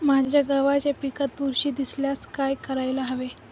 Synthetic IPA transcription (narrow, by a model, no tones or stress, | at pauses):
mad͡ʑʱjaɡaʋat͡ɕapikət̪̚buɾɕiːd̪isljaskajkəɾajlaɦəʋe